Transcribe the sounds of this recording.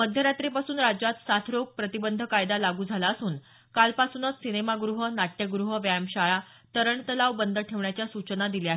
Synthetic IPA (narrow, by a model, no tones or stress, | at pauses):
məd̪ʱjəɾat̪ɾipasuːnɾad͡ʑat̪sat̪ʰɾoɡ̚pɾət̪ibənd̪ʱəkajd̪alaɡuːd͡zʱalaəsuːn | kalpasunət̪sinemaɡɾuɦənaʈjəɡɾuɦəʋjæmɕaɭa | t̪əɾəɳt̪əlaʋbənd̪ʱəʈʰeʋɳjat͡ɕjasut͡ɕnad̪ilja